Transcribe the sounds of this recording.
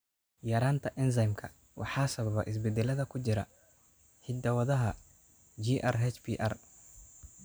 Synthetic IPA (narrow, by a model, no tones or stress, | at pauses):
jɐɾaːnt̪ʰɐʔɪns̬ɐjmkʰɐ | wʔɑ̰ħɑːsɐβɐβɐ̰ʔɪs̬bɛd̪ɛlɐðɐkʰʊt͡ʃɪɾɐ̰ | ħɪd̪ɐwɐðɐɦɐ | d͡ʒiːʔɐrɦɛt͡ʃbiːʔɐ̰r